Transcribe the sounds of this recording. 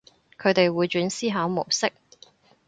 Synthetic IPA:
kʰɵ˨˧ɥt̪e˨jwuː˨˧jt͡ʃyː˨˥nsiː˥ɦaː˨˥wmo˨˩wsɪ˥k̚

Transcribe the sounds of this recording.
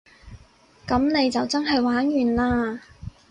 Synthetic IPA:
kɐ˨˥mne˨˧jt͡sɐ˨wt͡sɐ˥nɦɐ˨jwaː˨˥njyː˨nlaː˥

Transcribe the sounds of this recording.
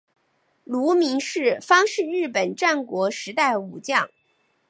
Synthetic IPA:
lu˧˥mi˧˥ŋʂɻ̩˥˩fɑ˥ŋʂɻ̩˥˧ɻɻ̩˥˩pə˨˩nʈ͡ʂa˥˩nkwɔ˧˥ʂɻ̩˧˥t̪a˥˩ɪu˨˩t͡ɕjɑ˥˩ŋ

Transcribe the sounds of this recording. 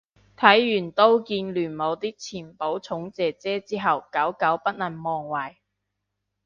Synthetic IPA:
t̪ʰɐ˨˥jːyː˨˩nt̪o˥wkiː˧nlyː˨˩nmo˨˧wt̪iː˥k̚t͡sʰiː˨˩npo˨˥wt͡sʰʊ˨˥ŋt͡sɛː˨t͡sɛː˥t͡siː˥ɦɐ˨wkɐ˨˥wkɐ˨˥wpɐ˥t̚lɐ˨˩nmɔː˨ŋwɐː˨˩j

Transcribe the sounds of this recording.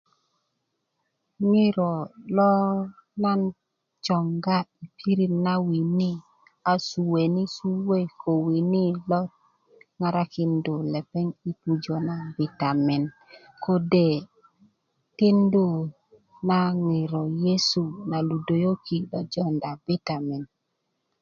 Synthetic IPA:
ŋi˦ɾɔ˨lɔ˦ | la˦n | t͡ʃɔ˨ŋɡa˦i˨pʰi˦ɾi˦mna˦wi˨ni˦ | a˨su˨we˨ni˦su˦we˦˨kʰo˨wi˨ni˦lɔ˦t̚ | ŋa˨ɾa˦ki˨ndo˨le˨pe˦ŋi˦pu˨d͡ʒo˨na˨bi˨ta˨mɛ˨n | ko˦de˨ | ti˦ndo˦ | na˦ŋi˨ɾɔ˨je˦su˨na˨lu˨do˨jo˦ki˨lɔ˦d͡ʒɔ˦nda˨be˦ta˨me˨n

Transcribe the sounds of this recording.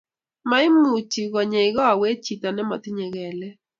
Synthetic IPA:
ma˦ɪ˦mu˨t͡ʃi˨ɡɔ˨ɲe˨ɪ˨ɡɔ˦a˨we˦t͡ʃi˨t̪a˨nɛ˦mɔ˨t̪ɪ˦ɲɛ˨ɡɛ˨lɛ˦

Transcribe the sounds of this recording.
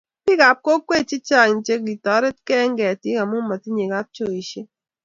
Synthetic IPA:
pi˦ɡa˨p̚ko˦kwe˦˨t͡ʃi˦t͡ʃa˦˨n̩˨t͡ʃe˦k̚ɡi˨tɔ˨˦ɾe˦tkɛ˦ŋ˦ɡɛ˨a˨ti˨˦ka˨mu˦mɔ˨ti˦ɲe˨ɡa˦t͡ʃo˦˨i˨ʃe˦

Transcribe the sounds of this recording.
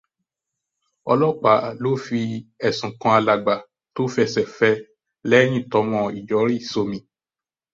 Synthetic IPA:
ɔ˧lɔ˦k͡pa˨˦˨lo˦fi˧ɛ˨sũ˨kɔ̃˧a˧la˨ɡ͡ba˨ | to˦fi˧ɛ˧˨sɛ˨fɛ˧˦ | lɛ˦ñĩ˦˨tɔ˧˦mɔ̃˧i˨d͡ʒɔ˨˦ɾi˦˨so˧mĩ˧

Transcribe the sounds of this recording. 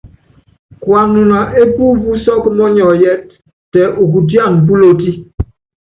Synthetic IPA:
kwa˨nu˨na˨ʔe˦bu˦bu˦sɔ˦kmɔ˦ɲɔ˨jɛ˦t̚ː | ɛ˨ʔu˨ku˨dja˦˨ŋbu˦lo˦ti˦

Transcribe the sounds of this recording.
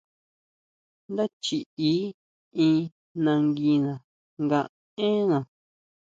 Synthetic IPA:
nd̪a˦t͡ʃi˨i˦ | ĩ˧ | nã˧ŋɡi˧nã˨ | ŋɡã˧ʔ | ẽ˦nã˨

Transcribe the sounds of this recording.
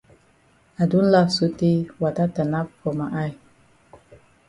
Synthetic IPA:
a˨du˦n˦la˦fsu˦ti˦wa˨ta˦ta˨na˦p̚ko˨ma˨ʔa˦˨j

